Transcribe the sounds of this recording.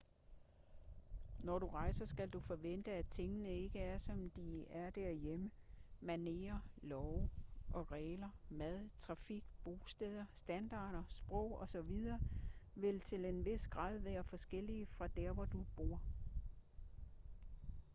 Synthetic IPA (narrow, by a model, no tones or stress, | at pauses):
nɒɾ̥uʁɑ̈ɪ̰sɐsɡ̥æld̥ufɒ̽ʋen̰d̥əæt͡sʰeŋənəe̝ɡ̥əæɐsɒ̽md̥iæɐd̥æɐ̰jemə | mæne̝ːɐ | lɒʊʔɒ̽ʁɛːlɐ | mæð̞ˠt͡sʰʁɑ̈fiɡ̥b̥oːsd̥eð̞ˠɐsd̥ænd̥ɑ̈ːɾ̥ɐsb̥ʁɔ̽ʊ̰ɒ̽sɒ̽ʋið̞ˠɐː | ʋe̝lt͡sʰe̝le̝nʋe̝sɡ̥ʁɑ̰̈ːð̞̰ˠʋæːɐfɒ̽sɡ̥el̰iəfʁɑ̈d̥æɐʋɒd̥ub̥o̝ɐ̰